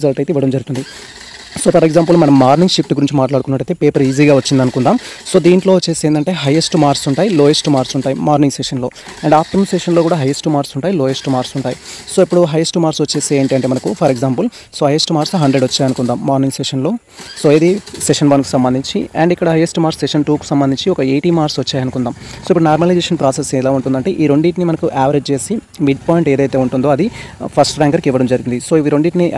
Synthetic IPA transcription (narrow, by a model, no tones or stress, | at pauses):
zɐlʈɐjt̪eiʋɐɽɐmd͡ʒɐɾɡut̪und̪i | soːpʰɐɾeɡzaːmpulmɐnɐmːaːɾniŋɡʃikʈɡuɾiɲt͡ʃimaːʈlaːɽk̪unːɐʈɐjt̪eːpeːpɐɾiːziːɡaːʋɐt͡ʃːind̪ɐnukund̪aːmso̞ːd̪iːɳʈloːʋt͡ʃːeːseːnd̪ɐɳʈeːɦɐjesʈmaːɾsuɳʈaːjiloːjesʈmaːɾsuɳʈaːjimaːɾniŋseʂɐnlo̞ː | ɐɳɖaːp̚ʰt̪ɐmseʂɐnloːkuːɽaːɦɐjesʈumaːɾsuɳʈaːjiloːjesʈumaːɾsuɳʈaːjiso̞ːipːuɽuɦɐjesʈumaːɾsʋɐt͡ʃːe̞ːseːɳʈiɐɳʈeːmɐnɐkupʰɐɾeɡzaːmpul | soːɦɐjesʈumaːɾsɦɐɳɖɾeɖʋɐt͡ʃːaːjɐnukund̪aːmːaːɾninseːʂɐnlo̞ː | soːeːd̪iseʂɐnʋɐnku̥sɐmbɐnd̪iɲt͡ʃḭɐ̰ɳɖikːɐɽɐɦɐjesʈmaːɾseʂɐnʈuːku̥sɐmbɐnd̪ʱiɲt͡ʃiɔkɐejʈiːmaːɾsʋɐt͡ʃːaːjɐnukund̪aːmso̞ːipːuɽunaːɾmɐlɐjd͡ʒeːʃɐnpɾaːseslaːuɳʈund̪ɐɳʈe̞ːʔiːɾo̞ɳɖiːʈnimɐnɐkuʔaːʋɐɾed͡ʒt͡ʃe̞ːsi | miɖ̚paːjiɳʈe̞ːd̪ɐjt̪e̞ːuɳʈund̪o̞ːɐd̪ipʰɐsʈɾaːŋɡɐɾkiʋːɐɽɐmd͡ʒɐɾiɡind̪iso̞ːiʋiɾo̞ɳɖiːʈni